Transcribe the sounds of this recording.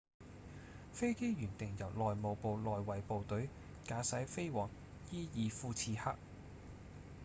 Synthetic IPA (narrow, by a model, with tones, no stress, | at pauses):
fe˥jke˥jjyː˨˩nt̪ɪ˨˩ŋjɐ˨˩wlɔː˨jmo˨˧wpo˨˧wlɔː˨jwɐ˨˩jpo˨˧wt̪ɵ˨˥ɥ | kaː˨˥sɐ˨˥jfe˥jwɔː˨˩ŋ | jiː˥jiː˨˧fuː˧t͡sʰiː˧haː˥k̚